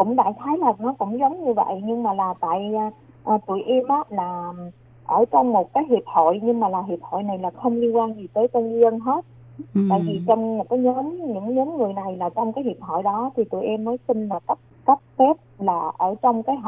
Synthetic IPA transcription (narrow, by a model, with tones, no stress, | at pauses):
kʊ̰˧˥ŋ͡mɗa̰ː˧˨xaː˨˦jləː˨˩t̚nɔ˨˦kʊ̰˧˥ŋ͡mzə˨˦wŋ͡mɲɨ˧və̰˧˨jɲɨ˧ŋmaː˨˩laː˨˩t̪a̰ː˧˨j | ʔəː˨˩t̪ṵ˧˨əjʔɛ˧mʔaː˦˥laː˨˩ | ʔəː˧˩t͡ɕɔ˧wŋ͡mmo˨˩t̚kaː˨˦jɦi˨˩əp̚ho̰˧˨jɲɨ˧ŋmaː˨˩laː˨˩ɦi˨˩əp̚ho̰˧˨jna˨˩jlaː˨˩xə˧wŋ͡mli˧ənkwaː˧nzi˨˩t̪əː˨˦jt͡ɕə˧ni˧ə˧nɦe˦˥t̚ | t̪a̰ː˧˨jvi˨˩t͡ɕɔ˧wŋ͡mmo˨˩t̚kaː˨˦jɲəː˨˦nɲɨ̰˧˥ŋɲəː˨˦mŋɨ˨˩əjna˨˩jlaː˨˩t͡ɕɔ˧wŋ͡mkaː˨˦jhi˨˩əp̚ho̰˧˨jɗɔ˨˦t̪ʰi˨˩t̪ṵ˧˩jʔɛ˧mːəː˨˦jsi˧nlaː˨˩kə˦˥p̚kə˦˥p̚fɛ˦˥p̚laː˨˩ʔəː˧˩t͡ɕɔ˧wŋ͡mkaː˨˦jɦ